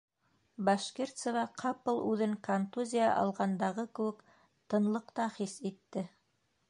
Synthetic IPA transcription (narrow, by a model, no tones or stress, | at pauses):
bɑʃkʲert̪səvɑqʰɑpɤlˠʉðɘŋkant̪uzʲija̰ʔɑ̰lˠʁɑnd̪ɑʁɤkɘ̆wɘk | t̪ɤ̆nlˠɤqt̪ɑχisit̪ːɘ